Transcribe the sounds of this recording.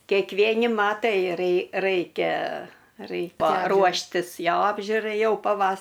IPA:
kʲɛkˈʋʲiɛnʲɪ ˈmɑːtɐɪ rʲɛɪ ˈrɐɪkʲɛ ˈrɐɪkʲɛ ˈruɔʃʲtʲɪs ˈjoː ˈɑːbʲʒʲʊrɐɪ ˈjɛʊ pɐˈʋɐs

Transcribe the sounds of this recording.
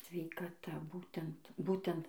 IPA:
sʲʋʲɛɪkɐˈtɐ ˈbuːtʲɛnt ˈbuːtʲɛnt

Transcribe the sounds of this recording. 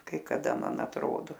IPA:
kɐɪ kɐˈdɐ ˈmɐn ɐtˈroːdoː

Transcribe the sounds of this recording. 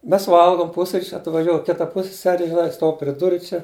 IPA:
ˈmʲɛs ˈʋɐlˠɡoːm ˈpʊsʲrʲiːt͡ʃʲ ɐtʋɐˈʒʲoːj ˈkʲɪtɐ ˈpʊsʲsʲɛsʲɛrʲɪ ʒʲɪˈnɐɪ ˈstuɔw pʲrʲɪ ˈdʊrʊ ˈt͡ʃʲɛ

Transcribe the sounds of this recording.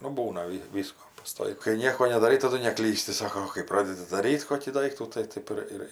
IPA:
nʊ ˈbuːnɐ ˈʋʲɪ ˈʋʲiːskoː pɐˈstoːɪk kɐɪ ˈnʲiɛkoː nʲɛdɐˈrɐɪ tɐˈdʊ nʲɛˈklʲiːsʲtʲɪ ˈsɑːkoː oː kɐɪ ˈprɑːdʲɛdʲɪ dɐˈrʲiːtʲ ˈkoːkʲiː ˈdɐɪktuː tɐɪ ˈtɐɪp ɪr ɪr

